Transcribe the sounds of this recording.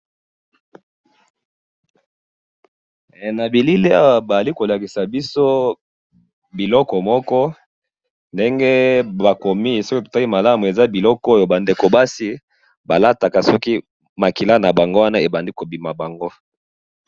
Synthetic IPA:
na˨bi˨li˦le˦a˦wa˨ba˨za˨li˦ko˨la˨ki˨sa˨bi˦so˦ | bi˨lɔ˦kɔ˨mɔ˦kɔ˦ | nde˦ŋɡe˦ba˨ko˨mi˦˨si˦ko˦to̥˨ta˦i˦ma˨la˦mu˨e˨za˦bi˨lɔ˦kɔ˦jo˨ba˨nde˨ko˨ba˦si˦ | ba˨la˦ta˨ka˨sɔ˦ki˦ | ma˨ki˨la˦na˨ba˨ŋɡo˦wa˦na˦e˨ba˨ndi˦ko˨bi˨ma˨ba˨ŋɡo˦

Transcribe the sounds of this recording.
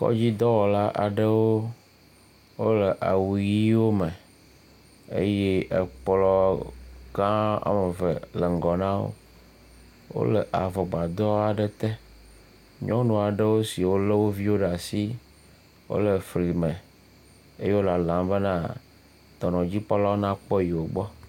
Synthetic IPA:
kɔ̰˦d͡ʑi˦d̪ɔ˦wɔ˨la˦ʔa̰˨ɖə˦wo˦ | wo˦lə˨ʔa˨wu˨ji˦wo˦mə˨ | ḛ˦je˦ʔe˨k͡plɔ˦ | ɡã˦a̰˦me˨və˨lə˨ŋ̩˨ɡɔ˨nã˦wo̰˦ | wo̰˦lə˨ʔa˨vɔ˨ɡ͡ba˨d̪ɔ˦a˨ɖe˦t̪ɛ˦ | ɲɔ̃˦nũ˨a˨ɖe˦wo˦si˨wo˦le˦wo˦vi˦wo˦ɖa˨si˦ | wo̰˦lə˨fɾi˨mẽ˨ | e˦je˦wo˦la˨lã˨mbe˦nã˦ | d̪̥ɔ˨nɔ̃˨d͡ʑi˦k͡pɔ˦lɔ˦nã˦k͡pɔ˦ji˨wo˨ɡ͡bɔ˦

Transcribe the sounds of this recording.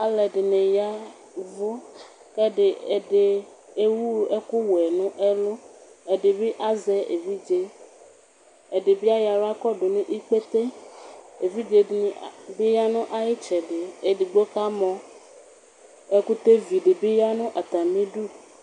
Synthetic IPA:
a˦lɛ˨ɖe˨nẽ˨ja˦ | vo˦ | kɛ˦ɖe˨e˨ɖe˨ | e˦wu˦e˦ku˦wɛ˨nũ˦ʔe˦lo˦e˨ɖe˨be˦ʔa˦zɛ˦ʔḛ˨vi˦d͡ʒe˦ | e˨ɖe˨bi˦a˦ja˨lo˦a˦kɔ˦ɖo˨nũ˦ʔi˦k͡pe˦t̪e˦ | e˨vi˦d͡ʒe˨be˦ja˦nũ˦ʔa˦ji˦t͡ʃɛ˨ɖe˨e˨ɖi˨ɡ͡bo˦ka˦mɔ̃˨ | e˦ku˦t̪e˦vi˨ɖe˨be˦ja˦nũ˦ʔa˨t̪a˨mĩ˦ɖu˦

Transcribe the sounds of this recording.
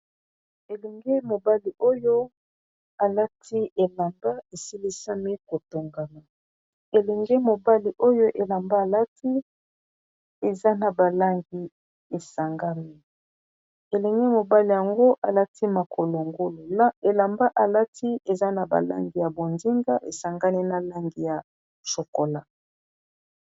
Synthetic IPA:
e˨lɛ˨ŋɡe˦mo˨ba˦li˨o˦jo˦ | a˨la˦tʰi˦ʔe˨la˨mba˦e˨si˦li˦sa˦mi˦ko˨to˨ŋɡa˨na˨ | e˨lɛ˨ŋɡɛ˦mo˨ba˦li˨ʔo˦jo˦ʔe˨la˨mba˦a˨la˦tʰi˦ | e˨za˦na˨ba˨la˦ŋɡi˦ | e˨sa˨ŋɡa˦mi˦ | e˨lɛ˨ŋɡɛ˦mo˨ba˦li˨ja˨ŋɡo˦ʔa˨la˦tʰi˦ma˨kʰo˨lo˨ŋɡo˦lo˨˦e˨la˨mba˦ʔa˨la˦tʰi˦e˨za˦na˨ba̰˨la̰˦ŋɡi˨ja˨bo˨ndi˦ŋɡa˦ʔḛ˨sa˨ŋɡa˦ni˦na˨la˦ŋɡi˨ja˨ | so˨ko˨la˦

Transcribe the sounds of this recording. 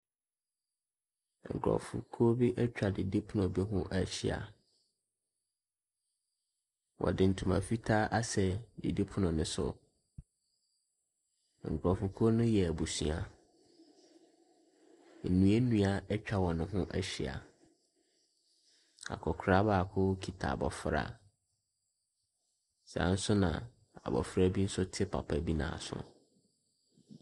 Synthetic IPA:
ŋ̩˨kʰɾɔ̰˨fṵ˨kʰo˦bi˦ʔɛ˦t͡ɕᶣa˨di˨di˦pʰʊ˦nʊ̃˨bɛ˦ɦʊ̃˦ʔæ˦ɕɪ˦a̰˨ | wɔ̰˨dɪ˨n̩˨tʰũ˨mã˨fi˦tʰaː˦ʔa˦sɛ˨di˨di˦pʰʊ˦nʊ̃˨nʊ̃˨˦sʊ̰˨ | ŋ̩˨kʰɾɔ˨fʊ˨kʰo˦nʊ̃˦jɛ˨æ˨bu˨sṵ̃˨a˨ | nũ˦e˦nũ˦a˨ɛ˦t͡ɕᶣa˦wɔ̃˨nʊ̃˦ɦʊ̃˦ʔɛ˦ɕɪ˨a̰˨ | a̰˨kʰɔ˨kʰʊ˨ɾa˦ba˨kʰʊ˦kʰi˨tʰa̰˨a˨bɔ˨fɾa̰˦ | sã̰˨˦n̩˦sʊ˦nã̰˨ | a̰˨bɔ̰˨fɾa˦bi˦n̩˦sʊ˦tʰɪ˦pʰa̰˨pʰa˨bi˦nã̰ː˨sʊ̰˦

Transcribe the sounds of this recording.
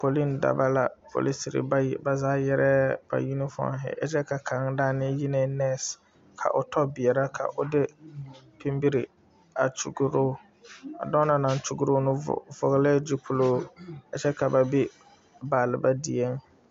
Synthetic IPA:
po˨li˦nda̰˨ba˦la˨pʰo̰˨li˦si˨ɾɪ̰˨ba̰˦˨ba˨zaː˦jɛ˦ɾɛ˦b̥a̰˨ji˦nɪ˦fɔ̰˦˨a̰˨ɦɪ̰˨˦ʔa̰˦t͡ʃɛ˦ka˨kʰa˨ŋ˦daː˦nɪ˦ji˦ne˦nɛ˦˨s | kʰa̰˨ʔʊ˨tʰɔ˦bɪ˨ɛ˨ɾa˦kʰa̰˨ʔʊ˨dɪ˦pi˦mbi˦ɾɪ˨ | a̰˨t͡ʃṵ˨ɡu˦ɾoː˦ | a̰˨dɔ˦na˨na˨n˦t͡ʃu˦ɡu˦ɾoː˦nʊ̰˦˨vʊ˨ɣɪ˦lɛ˦d͡ʒi˦pʊ˦loː˦a˨t͡ʃɛ˦ka˨ba˨bi˦ | baː˨lɪ˨ba˦di˨ɛ˦ŋ

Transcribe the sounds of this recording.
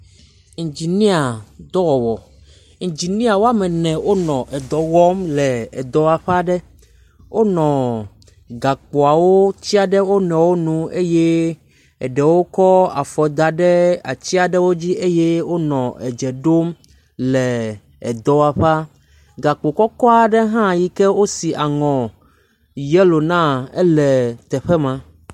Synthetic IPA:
ŋ̩˨d͡ʑi˨nĩ˦a˨d̪ɔ˦wɔ˨wɔ˨ | ŋ̩˨d͡ʑi˨nĩ˦a˨wo˦a˦mɛ˨nɛ̃˨wo˦nɔ̃˨ʔɛ˨d̪ɔ˨ɣɔ˦mlɛ˨ɛ˨d̪ɔ˨a˨ɸa˦ɖɛ˦ | wʔo˦nɔ̃˨ | ɡa˨k͡po˨a˨wo˦t͡ɕi˦a˨ɖɛ˦wo˦nɛ̃˨wo˦nũ˦e˦je˦ | ɛ˨ɖɛ˨wo˦kɔ˦a˨fɔ˨d̪a˨ɖɛ˦a̰˨t͡ɕi˦a˨ɖɛ˦wo˦d͡ʑi˦ʔe˦je˦wo˦nɔ̃˨ʔɛ˨d͡ʒɛ˨ɖo˦m | lɛ˨ | ɛ˨d̪ɔ˨a˨ɸa˦ | ɡa˨k͡po˨kɔ˦kɔ˦a˨ɖɛ˦ɦã˦˨ji˦kɛ˦wo˦si˨ʔa˨ŋɔ̃˨ | jɛ˦lo˨nã˦ɛ̰˦lɛ˨t̪ɛ˨ɸɛ˦mã˨

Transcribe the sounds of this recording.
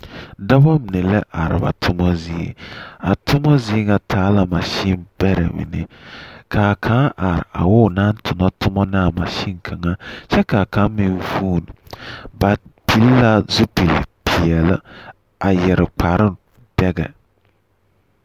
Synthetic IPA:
da˦bɔ˦m˨ne˨lɛ˦ʔa˨ɾɨ̰˨ba̰˨tʰʊ˦mɔ˦zi˦ḛ˦a˨tʊ˦mɔ˦zi˦ŋa˨tʰaː˨˦la˨ma˨ʃi˦nbɛ˦ɾɛ̰˨mḭ˨nɪ˦kʰa˨kʰã˨˦ʔa˨ɾɪ̰˨a̰˨wʊ˦˨na˦ntʰʊ˨nɔ˦tʊ˦mɔ˦nɪ˦a˨ma˨ʃi˦ŋkʰa˨ŋa˦ʃɛ˦ka˨ka˨˦mi˨˦vuː˦˨n˨ba˨pi˨˦lla˦zu˦pi˨lpʰi˨ɛ˨lɨ˦ | a˨jɛ˨ɾɪ˨k͡pʰa˨ɾɪ˦ | d̥ɛ˦ɡɛ̰˨

